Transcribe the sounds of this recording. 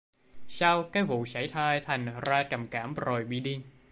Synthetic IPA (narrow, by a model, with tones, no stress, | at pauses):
saː˧wkaː˦˥jvṵ˧˨sa˧˩jt̪ʰaː˧jt̪ʰa˨˩jŋ̟zaː˧t͡ɕə˨˩mkaː˧˩mzo˨˩jɓḭ˧˨ɗi˧əŋ